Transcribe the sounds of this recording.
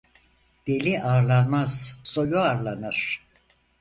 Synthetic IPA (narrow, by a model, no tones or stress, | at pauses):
d̪̥elʲiʔaːɾlˠanmaz̥so̞juaɾlˠanɯɾ̥